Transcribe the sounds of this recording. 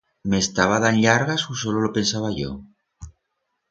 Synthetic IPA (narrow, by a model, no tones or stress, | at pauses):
mest̪aβaðanʎaɾɣasosololopensaβ̞aʝo̰